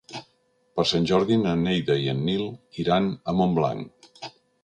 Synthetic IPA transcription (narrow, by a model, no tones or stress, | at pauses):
pəɾsanʲʒɔɾðinənːejðəiənːilˠiɾanəmombla̰ŋ